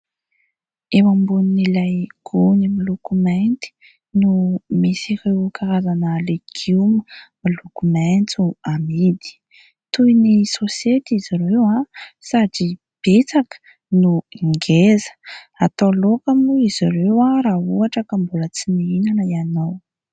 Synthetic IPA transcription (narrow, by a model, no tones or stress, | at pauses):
ewambuninilajɡ̥unimilukument̪i̥ | numisiɾewkaɾazanəlekʰuməmilukumɛnt͡suamid̪i̥ | t̪ujnisosiet̪iziɾewasad͡ʒi | b̥et͡sakə̥ | nuŋɡezə̥ | at̪olokamuiz̥iɾewarauaʈ͡ʂakambulət͡siniinanəianaw